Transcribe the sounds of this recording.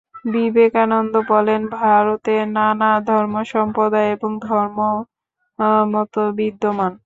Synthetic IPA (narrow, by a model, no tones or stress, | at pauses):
bibekanond̪obɔlenbʱaɾot̪eɾnanad̪ʱɔɾmoʃɔmpod̪aeeboŋd̪ʱɔɾmo | mɔt̪obid̪ːoman